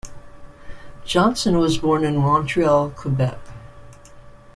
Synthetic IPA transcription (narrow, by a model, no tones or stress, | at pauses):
d̥ʒ̥ɑ̃nsɨ̃nwʌzbɔɹnɨ̃nmɑ̃ntʰɹ̥iɑlˠkʰəbɛ̰k